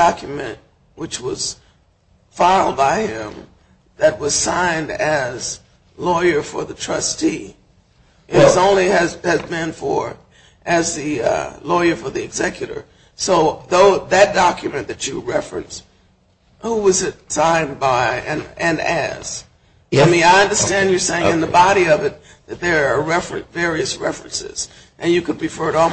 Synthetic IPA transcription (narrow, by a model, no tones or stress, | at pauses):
ɑkʰjɨmɨ̰̃nʔ̚ | wɨt͡ʃwʌz̥ | faɪlˠd̚baɪɪ̃m | ðɨt̚wʌz̥sãɪ̃ndɨz | lɔɪə˞fə˞ðɨtʰɹ̥ʌstʰi | ʔɨʌzõʊ̃nliɨzɨzbɨ̃nfə˞ | ʔɨzðɨʌ̰lɔɪə˞fə˞ðiɨɡzɛkjɨɾə̰˞ | soʊðoʊðɨt̚d̥ɑkʰjɨmɨ̃nðɨt͡ʃɨɹɛfɹɨ̰̃ns | huwʌzɨtsãɪ̃nbaɪɨ̃nɨ̃nɨ̰z̥ | aɪmĩnaɪʌ̃ndə˞stæ̃nd͡ʒjə˞seɪɪ̃ŋŋɨ̃nðəbɑɾiʌvɨt̪̚ | ðɨt̪̚ðə˞ːɹɛfɹɨ̰̃nvɛɹiɨsɹɛ̰fɹɨ̰̃nsɪ̰z̥ | ʔɨ̃njɨkʰɨd̚pɨfɜ˞ɾ